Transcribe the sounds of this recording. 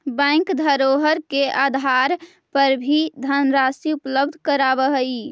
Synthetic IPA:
bɛ̃ɪŋkd̪ʱəɾoɦəɾkeʔad̪ʱaɾ | pəɾbʱid̪ʱənɾasiupləbd̪ʱkəɾabəɦəi

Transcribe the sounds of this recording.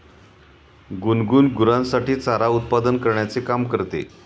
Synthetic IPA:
ɡunɡuːnɡuɾãnsaʈiːt͡saɾaut̪̚pad̪ənkəɾɳjat͡sekamkəɾt̪ḛ

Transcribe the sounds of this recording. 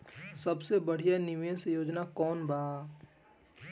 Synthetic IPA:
səbsebəɽ̤ijanɪmjə̃sejoːd͡ʒnakɔːnbaː

